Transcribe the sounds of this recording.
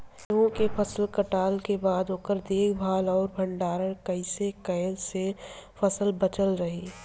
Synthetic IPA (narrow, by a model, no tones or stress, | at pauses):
ɦõkepʰɐsəlkəʈaːlkebaːd̪oːkəɾd̪eːkʰbʱaːlɔːɾbʱɐ̃ɳɖaːɾəɽ̃kɐɪsekɐːlsefʰɐsəlbɐt͡ʃəlɾɐɦiː